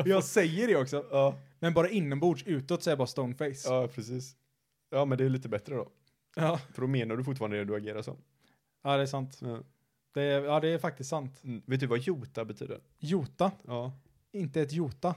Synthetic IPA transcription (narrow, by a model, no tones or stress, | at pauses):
jɑɡsɛjːəɖɛɔksɔɑːmɛnbɑːɾaɪnːənbuːʂʉ̟ːt̪ɔt̪ːsɔɛɾbɑːɾast̪ɔʊnfɛɪsɑːjpʰɾɛsiːs | jɑːmɛnd̪ɛːliːt̪əbɛt̪ɾəd̪ɔ̰ | jɑːfœɖɔmeːnaɖɵfʊʈ̬ːfɑːɾanɛd̪ɵaɡeːɾaʂɔ̰m | ɑːd̪ɛːsant̪ | d̪̥ɛɑːd̪ɛːɾfak̚t̪ɪst̪sant̪veːt̪̚d̪ɵvajuːt̪abɛt̪ʰy̰ːd̪ə̰ɾ | juːt̪aɑː | ɪnt̪əɛt̪juːt̪a